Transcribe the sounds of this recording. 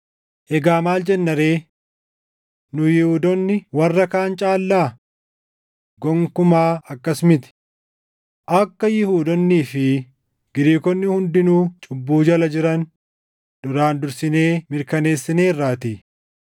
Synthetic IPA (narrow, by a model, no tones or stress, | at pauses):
ʔɛɡaːmaːld͡ʒɛnːɐɾe̞ː | nʊjɪhuːd̪ɔnːɪwɐrːɐkaːnt͡ʃʼaːlːaː | ɡɔŋkʊmaːɐkːɐsmɪt̪ɪ̥ | ʔɐkːɐjɪhuːd̪ɔnːiːfɪ | ɡ̥ɪɾiːkɔnːɪhʊnd̪ɪnuːt͡ʃʼʊbːuːd͡ʒɐlɐd͡ʒɪɾɐn | d̪ʊɾaːnd̪ʊɾsɪne̞ːmɪɾkɐne̞ːsːɪne̞ːrːaːt̪i